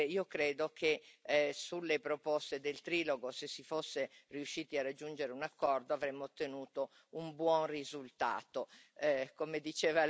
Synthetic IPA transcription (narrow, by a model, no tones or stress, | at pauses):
iːokɾɛːd̪okʰesulːepɾopɔst̪ed̪elt̪ɾiːloɡosesːifosːeriuʃːiːt̪iarad͡ʒːund͡ʒeɾeunakːɔrd̪oavɾemːoːt̪ːenuːt̪o | umbwɔnrizult̪a̰ːt̪okomed̪it͡ʃɛːva